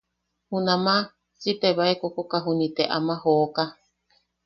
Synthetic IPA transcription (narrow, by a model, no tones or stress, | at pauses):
hunãma | t͡ʃit̪eβaekokokaɦunit̪eʔa̰maɦoka